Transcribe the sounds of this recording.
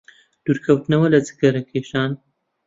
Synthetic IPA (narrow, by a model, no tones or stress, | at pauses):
d̪̥uːɾkʰɐwt̪nɐwɐlɐd͡zɨ̥kɐɾɐkʰeːʃaːn